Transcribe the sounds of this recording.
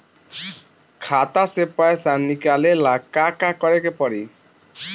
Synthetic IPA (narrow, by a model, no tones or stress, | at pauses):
kʰat̪asepaesanikalelakakakɔɾekepɔɽi